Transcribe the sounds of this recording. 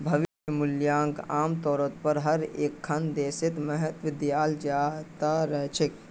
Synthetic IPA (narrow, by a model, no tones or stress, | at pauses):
bʱɐʋɪʃəmʊljãːŋkaːmt̪ɔːɾət̪̚pəɾɦɐɾeːkʰːɐnd̪eːsɪt̪məɦət̪ʋɪd̪jaːld͡ʒaːt̪aɾɐt͡ʃʰɪk